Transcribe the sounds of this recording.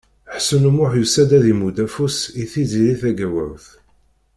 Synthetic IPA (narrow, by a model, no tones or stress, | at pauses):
ħsənumʊħjusæd̪æðimud̪æfusiθiziliθæɡæwəɾθ